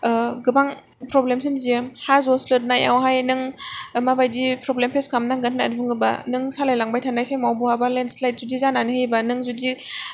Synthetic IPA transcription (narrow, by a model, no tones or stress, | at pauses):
ɡɯbaŋ | pɾɔblems̬imzihazɔslɯt̚naja̰wɦajnɯŋmabajdipɾɔblempʰeskʰamnaŋɡatʰnadbɯŋɯba̰nɯŋsalajlaŋbajtʰanajsajmawbuhabalenslajt̚zudizananɯhejbanɯŋzudi